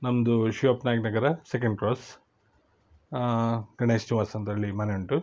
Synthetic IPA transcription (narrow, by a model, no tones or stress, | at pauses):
nɐmɐd̪uʃiʋɐpnaːjknɐɡɐɾɐsek̬ɐɳɖ̚kɾoːs | ɡɐɳesniʋaːsɐɐnt̪ɐɾɐɭːimɐneuɳʈu